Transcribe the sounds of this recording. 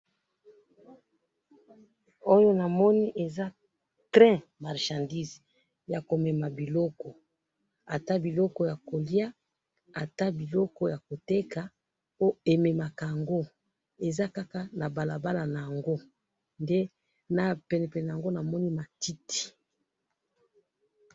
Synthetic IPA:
o˦jo˦na˨mɔ˦ni˦ʔe˨za˦ | tʁɛ̃˦ma˨ʁʃã˨ndi˦z | ja˨ko˨mɛ˨ma˨bi˨lɔ˦kɔ˨ | a˨ta˦bi˨lɔ˦kɔ˦ja˨ko˨li˦a˦ | a˨ta˦bi˨lɔ˦kɔ˦ja˨ko˨te˦ka˨ | o˦e˨me˨ma˨ka˨ja˨ŋɡo˦ | e˨za˦ka˦ka˦˨na˨ba˨la˨ba˦la˨na˨ja˨ŋɡo˦ | nde˦ | na˨pɛ˨nɛ˨pɛ˨n˨a˨ŋɡo˦na˨mɔ˦ni˦ma˨ti˦tʰi̥˨

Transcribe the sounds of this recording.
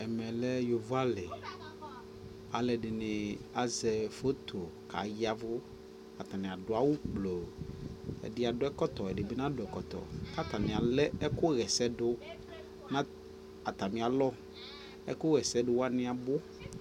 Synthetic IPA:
ɛ˨mɛ̃˨lɛ˦jo˨va˦lɛ˨ | a˨lɛ˨ɖɪ˨nɪ̃˨a˨zɛ˨fo˦t̪ʰo˨ka̰˨ja˦vʊ˦ | a˨t̪a˨nɪ̃˨a˨ɖʊ˨˦a˦wu˦k͡plo˨ɛ̰˨dɪ˦a˨ɖʊ˦ɛ˦kɔ˦t̪ɔ˨ɛ˨dɪ˨be˦nã˦dʊ˨ɛ˨kɔ˨t̪ɔ̰˨ka˦t̪a˨mĩ˨a˨lɛ˦ɛ˦kʊ˦ɣɛ˨sɛ˦ɖʊ˦ | nã˦ | a˨t̪a˨mĩ˨a˨lɔ˦ | ɛ˦kʊ˦ɣɛ˨sɛ˦ɖʊ˨wa˦nɪ̃˦a˨bo˦

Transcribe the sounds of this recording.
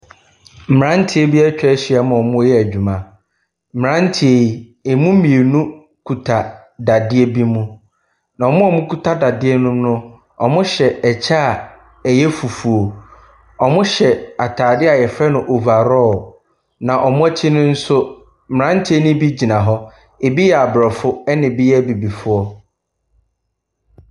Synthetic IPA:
m̩˨m˨ɾã˦n̩˦tʰɪ˦e˦bi˦ɛ˦t͡ɕᶣɛ˦ɕɪ˦a˦mã˨ɔ˨mʊ̃˦jɛ˦æ˨d͡ʑᶣu˨mã˨ | m̩˨m˨ã˦n̩˦tʰɪ˦e˨ | ɪ˨mʊ̃˦mĩ˨e˨nũ˦ | kʰu˨tʰa˨ | da˨dɪ˦e˦bi˦mũ˦ | nã˨ɔ˨mʊ̃˦ɔ˨mʊ̃˦kʰu˦tʰa˦da˨dɪ˦ɛ˦nʊ̃˦mnʊ̃˦ | ɔ̰˨mʊ̃˦ɕɛ˨ɛ˨t͡ɕʰa˦˨ | ɛ˨jɛ˦fu˨fu˨o˨ | ɔ˨mʊ̃˦ɕɛ˨a˨tʰaː˨dɪ˦a˨jɛ˨fɾɛ˦nʊ̃˨ʔo˨va˨ɾɔ˦˨ | nã˨ʔɔ˨mʊ̃˦ɛ˦t͡ɕʰɪ˦nʊ̃˦n̩˦sʊ˦ | m̩˨ã˦n̩˦tʰe˦nʊ̃˦bi˦d͡ʑi˨nã˨ɦɔ˦ | e˨bi˦jɛ˨a˨bɾɔ˨fʊ˦ɛ˦nɪ̃˨bɪ˦jɛ˦bi˨bi˨fʊ˦ɔ˦

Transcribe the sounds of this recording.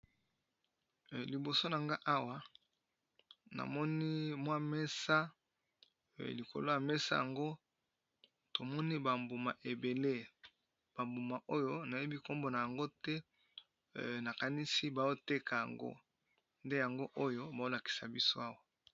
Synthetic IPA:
li˨bo˨so˦na˨ŋɡa˦ʔa˦wa˦ | na̰˨mɔ˦ni˦mwa˦mɛ˦sa˦ | li˨ko̰˨lo˦ja˨mɛ˦sa̰˦ja˨ŋɡo˦ | to˨mɔ˦ni˦ba˨mbu˨ma˨ʔe˨be˨le˦ | b̥a˨mbu˨ma˨ʔo˦jo˦na˨je˦bi˦ko˦mbo˨na˨ja˨ŋɡo˦tɛ˦ | na˨ka˨ni˦si˦ba˨jo˦te˦ka˨ja̰˨ŋɡo̰˦ | nde˦ja˨ŋɡo˦ʔo˦jo˦ba˨o˦la˨ki̥˨sa˨bi˦so̰˦a˦wa˨

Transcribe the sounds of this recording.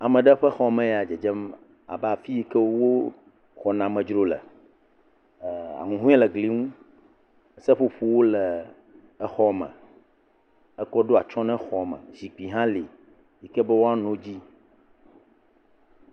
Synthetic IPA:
a˨mɛ̃˨ɖɛ˦ɸɛ˦xɔ˦mɛ̃˨ja˨d͡ʒɛ˨d͡ʒɛ˦m | a̰˨ba˨fi˦je˦kɛ˦wwo˦ | xɔ˨nã˨mɛ̃˨d͡ʒɾo˨lɛ̰˨ | a̰˨ŋũ˨ɦũ˦ɛ˦lɛ˨ɡli˨˦ŋũ˦˨ | sɛ˦ɸu˦ɸu˨wo˦lɛ˨ | ɛ˦xɔ˦mɛ̰̃˨ | ɛ˦kɔ˦ɖo˦a˨t͡ʃɔ̃˦nɛ̃˦xɔ˨mɛ̰̃˨zi˨k͡pi˨ɦã˦li˨ | ji˨kɛ˦bɛ˦wo˦a˦nõ˨d͡ʑi˦

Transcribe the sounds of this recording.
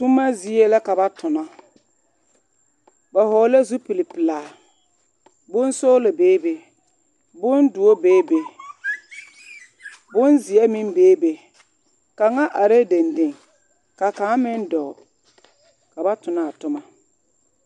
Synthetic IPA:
tʊ˦ma˦zi˦e˦la˦ka˨ba˦tʊ˨na˦ | ba˨ɦɔː˨˦la˦zu˦pi˨lɪ˨pɪ˨laː˨ | bʊ˦n˦so˦la˨beː˦be˨ | bʊ˦ndu˨o˦beː˦be˨ | bʊ˦nzɪ˨ɛ˦mɪ˦mbeː˦be˨ | ka˨ŋa˦ʔa˨ɾe˦de˨nde˨ŋ | ka˨kaː˨˦mɪ˦ndɔ˨ | ka˨ba˦tʊ˨na˦˨a˨tʊ˦ma˦

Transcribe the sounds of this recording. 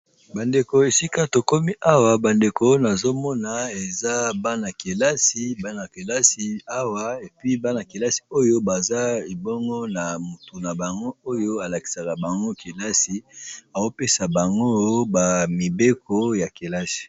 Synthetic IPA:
ba˨nde˨ko˨e˨si˦ka˦to˨ko˦mi˦ʔa˦wa˨ba˨nde˨ko˦na˨zo˦mɔ˦na˨e˨za˦ba˦na˨ke˨la˦si˨˦ba˦na˨ke˨la˦si˨a˦wa˦e˨pi˦ba˦na˨ke˨la˦si̥˨o˦jo˦ba˨za˦i˨bɔ˦ŋɡɔ˦na˨mu˨tu˨na˨ba˨ŋɡo˦o˦jo˦a˨la˨ki˨sa˨ka˨ba˨ŋɡo˦ke˨la˦si˨a˨zo˦pe˦sa˨ba˨ŋɡo˦ba˨mi˨be˦kʰo˦ja˨ke˨la˦si̥˨

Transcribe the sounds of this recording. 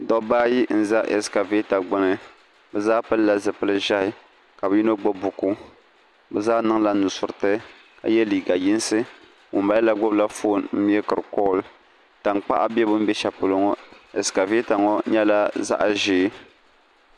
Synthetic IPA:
dɔ˦baː˦ji˦n̩˦za˦ʔɛ̰˨ska˨ve˦ta˨ɡ͡bʊ˦nɨ˨ | bɛ˨zaː˦pɨ˦lla˦zɨ˨pɨ˦lɨ˦ʒa˦hɪ˦ | ka˨bɨ˨ji˦no˦ɡ͡bo˦bu˨ku˦ | bɛ˨zaː˦nɨ˦ŋla˦nʊ˨sʊ˨ɾɨ˨tɨ˦ | ka̰˨jɛ˦liː˨ɡa˨ji˦n˦sɨ˦ | wʊ˨mba˦ɛ˦la˦ɡʊ˦bla˦fo˦˨nm̩˦ɛ˦kɨ˨ɾɨ˨kɔ˦˨l | ta˨ŋk͡pa̰˦ʔa̰˦bɛ˦bɨ˦m̩˦bɛ˦ʃa˨pʊ˨lo˨ŋɔ˦ɛ˨ska˨ve˦ta˨ŋɔ˦ɲɛ˦la˦za̰˦ʔa̰˨ʒeː˨˦

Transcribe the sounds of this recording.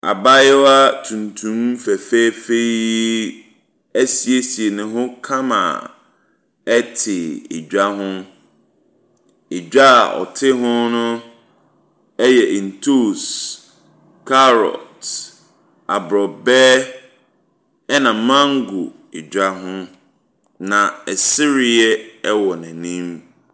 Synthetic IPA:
a̰˨ba˦jɛ˦wa˦tʰũ˨ntʰũ˦m˦fɛ˨fe˦fe˦i˦ | æ˦si˨e˦si˨e˨nʊ̃˨ɦʊ̃˦kʰã˦mã̰˨ | ɛ˦tʰɪ˨ḛ˨d͡ʑᶣa˦ɦʊ̃˦ | e˨d͡ʑᶣa˦˨ɔ̰˨tʰɪ˦ɦʊ̃˦nʊ̃˦ | ɛ˦jɛ˨ʔĩ˨n̩˨tʰu˦˨s | kʰa˦ɾɔ̰˨t | a˨bɾɔ˨bɛː˦ | ɛ˦nã˨mã˦ŋ˦ɡu˨ | e˨d͡ʒᶣa˦ɦʊ̃˦ | nã˨ɛ˨sɪ˦ɾɪ˨jɛ˦ɛ˦wɔ˨nɛ̃˨nĩ˦m

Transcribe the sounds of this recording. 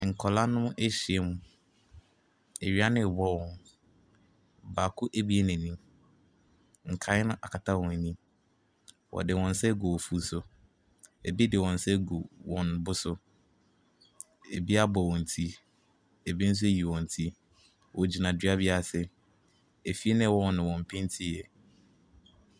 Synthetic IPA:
ŋ̩˨kʰɔ˨la˦nʊ̃˦mʊ̃˦ʔe˦ɕi˨ɛ˦mũ˦ | e˨ɥi˦a˦nɪ̃˦˨bɔ˦wɔ̃˨n | baː˨kʰʊ˦ʔe˦bi˦e˦nɛ̃˨nĩ˦m | ŋ̩˨kʰa˨˦ɪ˦nʊ̃˦ʔa̰˨kʰa˨tʰa˦wɔ̃˨n˨nĩ˦ | wɔ̰˨dɪ˨wɔ̃˨n̩˦sɛ˦ɡu˨wɔ˨fu˦sʊ˨˦ | e˨bi˦dɪ˨wɔ̃˨n˨sɛ˦ɡu˨wɔ̃˨nbʊ˦sʊ˦ | e˨bi˦a˦bɔ˨wɔ̃˨n˨tʰi˦ | e˨bi˦n̩˦s̬ʊ˦e˦ji˨wɔ̃˨n˨tʰi˦ | wʔɔ˨d͡ʑi˨nã˨di˨˦a˦bi˦a˦sɪ˦ | e˨fi˦e˦nɪ̃˦˨wɔ̃˦˨nɪ̃˨wɔ̃˨m̩˨pʰɪ̃˦n˦tʰi˦˨jɛ˨

